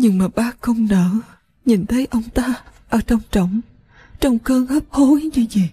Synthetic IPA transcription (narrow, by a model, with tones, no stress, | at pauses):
ɲɨ˧ŋmaː˨˩ɓaː˦˥k̚xə˧wŋ͡mnəː˧˩˨ | ɲi˨˩nt̪ʰə˨˦jʔə˧wŋ͡mt̪aː˧ʔəː˨˦t͡ɕɔ˧wŋ͡mt͡ɕə˧˩wŋ͡m | t͡ɕɔ˧wŋ͡mkəː˧həː˦˥p̚ho˨˦jɲɨ˧zi˨˩